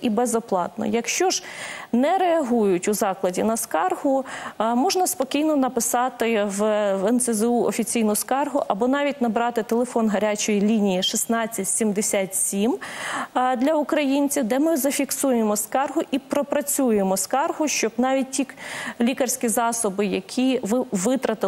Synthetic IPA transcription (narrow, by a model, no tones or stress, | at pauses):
ibɛzɔplˠɑ̰t̪̚nɔ̰jɐkʃt͡ʃɔʒnɛɾeɐɦujʊtʲʊzɑklˠɐdʲinɐskɑrɦʊmɔʒnɐspɔkʲijnɔnɐpɪsɑt̪ɪʋʋɛnsɛzɛuɔfʲit͡sʲijnʊskɑrɦʊʔɐbɔnɑʋʲitʲnɐbɾɑt̪ɪt̪elˠefɔnɦɐɾʲat͡ʃɔjilʲinʲijiʃisnɑt͡sʲːɐtʲsʲimd̪esʲatʲsʲim | d̪lʲɐʊkɾɐjinʲt͡sʲiwd̪ɛmɪzɐfʲiksujemɔskɑrɦʊʔipɾɔpɾɐt͡sʲujemɔskɑrɦʊʃt͡ʃɔbnɑʋʲit̚ʲtʲiklʲikɐrsʲkʲizɑsɔbɪjɐkʲʰiʋʋɪt̪ɾɐt̪ɪ